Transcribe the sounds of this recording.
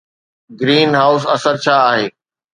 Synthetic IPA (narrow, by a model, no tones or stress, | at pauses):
ɡɾiːnɦaːʊs̬ɐsəɾt͡ɕʰaːɦeː